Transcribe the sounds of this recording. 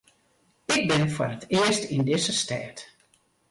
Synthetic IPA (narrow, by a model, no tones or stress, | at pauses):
ɪk̚bɪnfʊrətɪəstindɪzəstɛːt